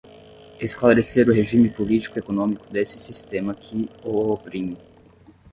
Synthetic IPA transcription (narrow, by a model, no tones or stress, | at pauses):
esklaɾeseɾʊɦeʒĩmɪpolit͡ʃi̥kʊekonõmikʊd̪esɪsist̪ẽmɐkʰɪoopɾĩmi